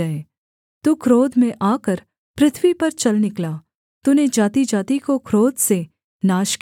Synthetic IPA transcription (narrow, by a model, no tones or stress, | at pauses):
əe | t̪uːkʰɾoːd̪ʱmẽʔaːkəɾ | pɾɪt̪ʰʋipɐɾt͡ʃɐlnɪklaː | t̪uned͡ʒaːt̪id͡ʒaːt̪ikokʰɾoːd̪ʱse | naːʃk